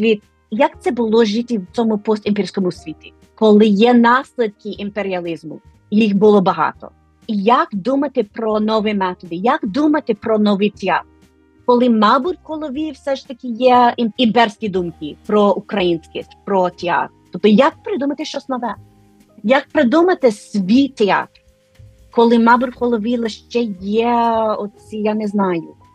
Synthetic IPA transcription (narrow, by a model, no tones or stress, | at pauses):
ʋʲit̪ | jɐkt̪sɛbʊlˠɔʒit̪ʲiwt͡sʲɔmʊpɔst̪ʲimpʲiɾʲsʲkɔmʊsʲʋʲit̪ʲi | kɔlˠɪjɛnɑsʲlʲɪd̪̚kɪʔimpeɾʲiɐlʲˠɪzmʊ̰ | jixbʊlˠɔbɐɦɑ̰t̪ɔ̰ | jakd̪umɐt̪ɪpɾɔnɔʋɛmɛt̪ɔd̪ɪjakd̪umɐt̪ɪpɾɔnɔʋit̪ʲiat̪ | kɔlˠɪmɑbʊt̚ʲkɔlˠɔʋʲiwsɛʃt̪ɐkʲɪjɛimimpɛɾsʲkʲid̪umkipɾɔʔukɾɐjinʲsʲkɪsʲpɾɔt̪ʲɛɑ̰t̪ɾt̪ɔp̚t̪ɔjɐk̚pɾɪd̪umɐt̪ɪʃt͡ʃɔsʲnɐʋɛ | jɐk̚pɾɪd̪umɐt̪ɪsʲʋʲijt̪eɑ̰t̪r | kɔlˠɪmɑbʊɾhɔlˠɔʋʲilˠeʃt͡ʃɛjɛɔt̪sʲijanɛznɑjʊ